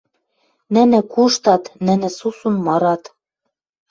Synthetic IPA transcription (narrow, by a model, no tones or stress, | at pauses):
nɘ̆nɘ̆kuʃt̪ɑt̪nɘ̆nɘ̆susunmɤɾɑt̪